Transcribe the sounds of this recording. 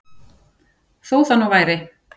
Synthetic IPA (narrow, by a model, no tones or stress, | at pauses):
θowθanːuvaːjɾɪ